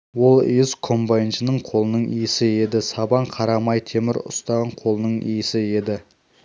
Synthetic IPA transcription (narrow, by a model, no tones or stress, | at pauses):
wo̞l̰ˠeɪzkʰo̞mbajnʒənəɴqʰo̞lˠənəɴijɪsɪe̞d̪ɪsɑbɑɴqʰɑɾɑmɑjt̪ʰemɪɾʊ̰st̪ɑʁɑɴqʰo̞lˠənəɴḭjɪsɪe̞d̪ɪ